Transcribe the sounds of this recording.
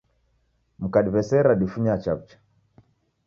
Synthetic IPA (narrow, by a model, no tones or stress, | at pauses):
m̩kaɗiβɛsɛɾaɗifuɲat͡ʃab̚t͡ʃḁ